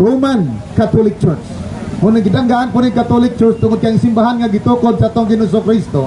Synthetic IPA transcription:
ɾomankat̪olɪk̚t͡ʃɔɹt͡ʃmʊnaŋɡɪd̪aŋɡaʔanpʊniŋkat̪olɪk̚t͡ʃɔɹst̪ʊŋod̪̚kaŋsɪmbaɦanŋaɡɪt̪uːkod̪̚saʔat̪oŋɡɪnos̬okɾist̪o

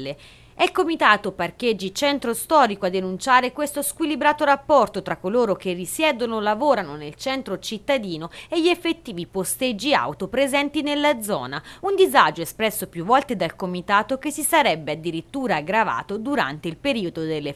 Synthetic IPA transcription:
e | ɛlkomit̪aːt̪opark̟ed͡ʒːit͡ʃɛnt̪ɾost̪ɔːɾikoad̪ːenunt͡ʃaːɾekwest̪oskwilibɾaːt̪oɾapːɔrt̪ot̪ɾakːoloːɾok̟erːisjɛːd̪onolavoːɾanonelt͡ʃɛnt̪ɾot͡ʃit̪ːad̪iːnoeʎːiefːet̪ːiːvipost̪ed͡ʒːia̰wt̪opɾezɛnt̪inelːad̪zːɔ̰ːnaund̪izad͡ʒoespɾɛsːopjuvːɔlt̪ed̪alkomit̪aːt̪ok̟esːisaɾɛbːead̪ːiɾit̪ːuːɾaːɡɾava̰ːt̪od̪uɾa̰nt̪eilpeɾiːod̪od̪elːe

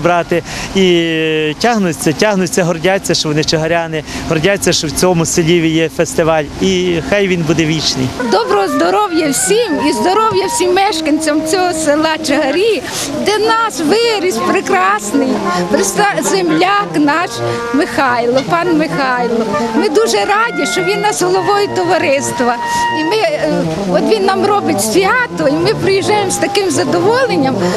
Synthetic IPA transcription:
bɾɑt̪ɪitʲaɦnʊt͡sʲːɐtʲaɦnʊt͡sʲːɐɦɔrdʲat͡sʲːɐʃt͡ʃɔʋɔnɪt͡ʃeɦɐɾʲanɪɦɔrdʲat͡sʲːɐʃt͡ʃɔwt͡sʲɔmʊsɪlʲiʋʲijɛfest̪ɪʋɑlʲixɑjʋʲinbud̪ɛʋʲit͡ʃnɪjd̪ɔbɾɔɦɔzd̪ɔɾɔwjɐwsʲimizd̪ɔɾɔwjɐwsʲimːɛʃkɐnʲt͡sʲɐmt͡sʲɔɦɔsɪlˠɑt͡ʃeɦɐɾʲi | d̪ɛnɑsʋɪɾʲisʲpɾɪkɾɑsnɪjpɾɪst̪ɑzemlʲaknɑʃ | mɪxɑjlˠɔpɑnmɪxɑjlˠɔmɪd̪uʒɛɾɑdʲiʃt͡ʃɔʋʲinːɐsɦɔlˠɔʋɔjʊt̪ɔʋɐɾɪst̪ʋɐ | imɪ | ɔt̪ʋʲinːɑmrɔbɪtʲsʲʋʲɑt̪ɔimɪpɾɪjiʒɑjemst̪ɐkɪmzɐd̪ɔʋɔlˠenʲːɐm

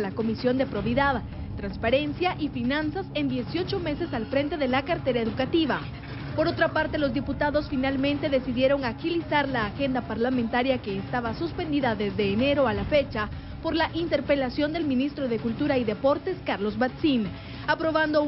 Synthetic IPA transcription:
lako̞misjo̞nd̪e̞pɾo̞βiðað | t̪ɾanspaɾe̞nsjaʔifinãnsase̞nd̪je̞sjo̞t͡ʃo̞me̞se̞salfɾe̞nt̪e̞ðe̞lakaɾt̪e̞ɾaeðukat̪iβa | po̞ɾo̞t̪ɾapaɾt̪e̞lo̞zd̪iput̪aðo̞sfinalmẽ̞nt̪e̞ðe̞siðje̞ɾo̞ŋaxilisaɾlaːxe̞nd̪apaɾlamẽnt̪aɾjake̞ːst̪aβasuspe̞nd̪iðaðe̞zðe̞ːne̞ɾo̞alafe̞t͡ʃa | po̞ɾlaʔint̪e̞ɾpe̞lasjo̞nd̪e̞lmĩnist̪ɾo̞ðe̞kult̪uɾaiðe̞po̞ɾt̪e̞skaɾlo̞zβat̪sin | apɾo̞βand̪o̞

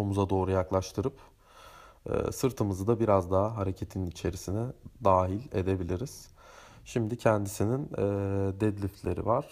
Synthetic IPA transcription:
omuzad̪o̞ːɾujaklˠaʃt̪ʰɯɾɯp | ɯ̰ːsɯɾt̪ʰɯmɯzɯd̪abiɾazd̪aɦaɦaɾecʰe̞t̪ʰinit͡ʃʰe̞ɾisinɛd̪aːɦilʲe̞̰d̪e̞bilʲiɾiz̥ | ʃimd̪icʰɛnd̪isininɛd̪ɛd̪lʲiflʲe̞ɾḭvaɾ̥

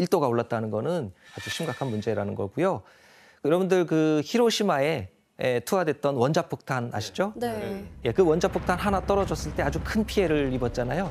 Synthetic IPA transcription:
iɭt͈oɡaoɭːat̚t͈anɯnɡʌnɯnkat͡ɕʰiɕʰimɡakʰanmund͡ʑe̞ɾanɯnɡʌɡujo | jʌɾʌbundɯɭkɯçiɾoɕʰimae̞ | etʰuadwe̞t̚t͈ʌnwʌnd͡ʑapʰok̚tʰana̰ɕʰi̥d͡ʑoeje̞kɯwʌnd͡ʑapʰok̚tʰanɦanat͈ʌɾʌd͡ʑʌs͈ɯɭt͈e̞ad͡ʑukʰɯnpʰie̞ɾɯɭibʌt̚t͡ɕ͈anajo

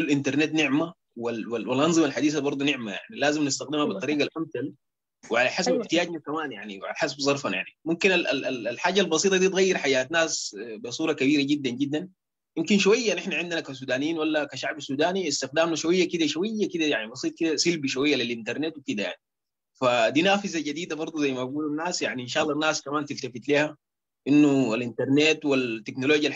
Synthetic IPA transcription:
lʔint̪ɑɾˤnet̪nɪʕma | walwawalʔɑnzˤɨmalħad̪iːsabɑɾˤd̪ˤunɪʕmaja̰ʕnilaːzimnɪst̪axd̪imhabɨt̪ˤːɑɾiːɡalʔamθal | wɪʕalaħasabħt̪ijaːɟnakamaːnja̰ʕniwʕa̰laħasabzˤɑɾˤfanja̰ʕnimumkinalalalalħaːɟalbɑs̬ˤiːt̪ˤɑd̪iːt̪ɣajːɪɾˤħajːaːt̪naːsbisˤuːɾˤɑkabiːɾaɟid̪ːanɟid̪ːan | jimkinʃuwajːaʔnʔɪħnaʕɪnd̪inakas̬uːd̪aːnijiːnwalːakaʃaʕbasuːd̪aːniist̪ɪxd̪aːmnaʃuwajːakid̪aʃuwajːakid̪ajaʕnibɑsˤiːt̪̚ˤkid̪asilbiʃuwajːalilʔint̪ɑɾˤneːt̪wikid̪aja̰ʕni | fad̪iːnaːfizaɟad̪iːd̪abɑɾˤd̪ˤuzajːmaɡuːlanːaːsjaʕniʔinʃɑːʔlˤːɑnːaːskamaːnt̪ilt̪afit̪liːha | ʔinːualʔint̪ɑɾˤneːt̪wilt̪ːeknoloːɟjal

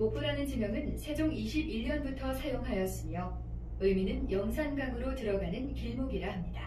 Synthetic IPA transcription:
mopʰuɾanɯnd͡ʑimjʌŋɯnsʰe̞d͡ʑoŋiɕʰibiʎːʌnbutʰʌsʰajoŋɦajʌs͈ɯmjʌ | ɯɭminɯnjʌŋsʰanɡaŋɯɾotɯɾʌɡanɯnkiɭmoɡiɾahamɲida

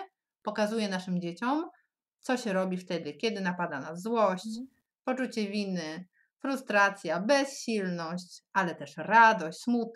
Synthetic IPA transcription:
pɔkazujɛnaʂɘmd͡ʑet͡ɕɔm | t̪sɔɕɛɾɔbʲift̪ɛd̪ɘkʲɛd̪ɘnapad̪anazwɔɕt͡ɕ | pɔt͡ʂut͡ɕɛvʲinɘ | fɾust̪ɾat̪sʲjabɛsɕilnɔɕt͡ɕalɛt̪ɛʂɾad̪ɔɕʲsmut̪̚

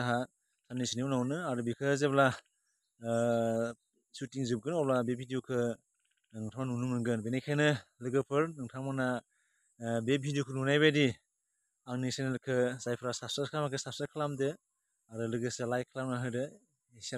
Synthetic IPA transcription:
aɦa | samnisiniunawnɯaɾɯbikʰɯzebla | sutiŋzɯb̚ɡɯnɔblabeb̚ʰʱidijukʰɯ | ɯŋtʰamanunumnɯŋɡɯnbenekʰajnɯlɯɡɯpʰɯɾnɯŋtʰamana | beb̚bʰʱidijukʰɯnunajbajdi | aŋnisenlkʰɯzajpʰɯɾasapsaɾkʰlamakʰɯsasaɾkʰlamdɯ | aɾɯlɯɡɯsɯlajkʰlamnaɦɯdɯ | isa

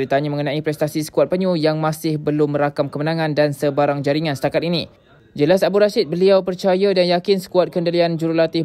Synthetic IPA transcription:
ɾit̪aɲaməŋənãipɾɛst̪asisə̥kuat̪̚pəɲujaŋmãsɪhbəlʊmːə̃ɾakamkəmənãŋãndansəbaɾaŋd͡ʒaɾiŋãnsə̥t̪akat̪̚ini | d͡ʒəlasabuɾaʃɪt̪̚bəliawpərt͡ʃajadanjakɪnsə̥kuat̪̚kəndəliand͡ʒuɾulat̪ɪ

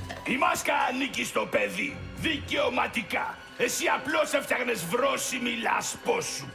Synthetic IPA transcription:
imɐskɐːnicist̪o̞peðiðiceomɐt̪ikɐ | esiɐploseft̪ɐɣnezvɾosimilɐ̰sposu

